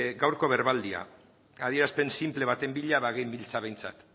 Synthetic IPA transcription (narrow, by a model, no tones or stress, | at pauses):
ɡawɾko̞βe̞ɾβald̪ia̰ | að̞ie̞ɾaspe̞nsimple̞β̞at̪e̞mbiʎaβaɣejmbilt͡saβe̞jnt͡sa̰t̪